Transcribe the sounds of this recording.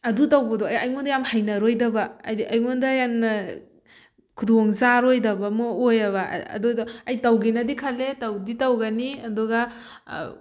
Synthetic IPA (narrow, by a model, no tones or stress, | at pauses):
ɐdutawbɐdɔajajŋondɐjamhajnɐɾojdɐbɐɐjmondɐjamnɐ | kʰudoŋzaɾojdɐbɐmɔojɐβɐ̰ɐ̰duɐjtawɡinɐdikʰaletɐwditawɡɐniɐduɡɐ